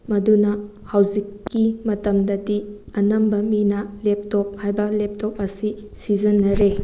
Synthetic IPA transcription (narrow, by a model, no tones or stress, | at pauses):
mɐdunɐ | hawzikːimɐtɐmdɐdiɐnɐmbɐminɐlep̚tɔp̚hajbɐlep̚tɔp̚ɐsisizɐnːɐɾe